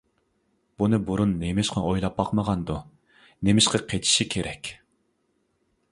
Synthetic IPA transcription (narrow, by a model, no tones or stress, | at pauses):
b̥unɨbuɾunːemɪʃqʰɑʔojlˠɑp̚bɑqməʁɑnd̪u | nemɪʃqɑqʰet̪ʰi̥ʃikʲʰeɾʔɛkʲ